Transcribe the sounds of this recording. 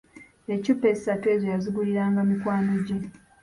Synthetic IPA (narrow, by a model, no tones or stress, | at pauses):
ecupːesatwe̞ːzojazuɡuliɾaːŋɡamikwaːno̞ɟe